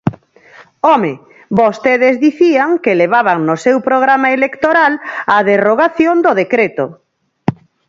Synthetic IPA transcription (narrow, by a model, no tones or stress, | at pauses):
ɔme | bost̪eðezðiθiaŋkeleβ̞aβaŋnosewpɾoɣ̞ɾamaelekt̪oɾalaðeroɣ̞aθjond̪oðekɾet̪o